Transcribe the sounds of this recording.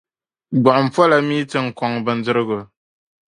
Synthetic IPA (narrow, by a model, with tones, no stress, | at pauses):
ɡ͡bɔ˨ʔm̩˨pɔ˦la˦mi˦tɨ˦ŋ̩˨kɔ˨ŋbɨ˨n̩˦dɨ˦ɾɨ˦ɣo˨